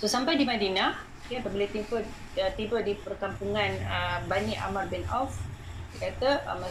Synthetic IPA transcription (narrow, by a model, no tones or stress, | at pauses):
sosampajdimadina | apabəlet̪impət̪impədipərkampuŋãnəbaniʔa̰marbɪna̰wfdəkat̪əma